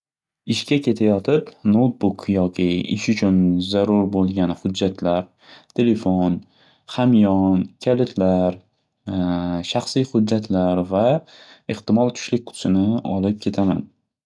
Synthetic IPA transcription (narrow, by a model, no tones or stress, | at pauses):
ɪʃkʲakʲʰe̞t̪ʰajɒt̪ʰɪpnot̪̚bʊkʰjɒkʲɪɪʃʊt͡ʃʰʊnzaɾʊɾbolˠɡʲanhʊd͡ʒːat̪ʰlaɾ | t̪ʰe̞lefon | χamjɒnkʲʰalɪt̪ʰlaɾ | ʃaχsijhʊdːat̪ʰlaɾvaɪχt̪ɪmɒlˠkʰʊ̥ʃlɪk̚ʲqʰʊ̥t̪sɪnɪɒlˠɪp̚kʲʰe̞t̪ʰama̰n